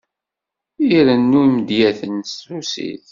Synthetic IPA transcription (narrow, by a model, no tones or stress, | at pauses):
iɾənːuimd̪jæθənsusḭθ